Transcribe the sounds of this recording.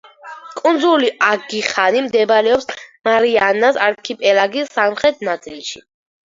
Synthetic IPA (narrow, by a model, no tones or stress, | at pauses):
kʼund̪zuliaɡiχanimd̪ɛbaɾɛɔpsmaɾianːasaɾkʰipʼɛlaɡisːamχɾɛt̪̚ʰnat̪sʼilˠʃḭ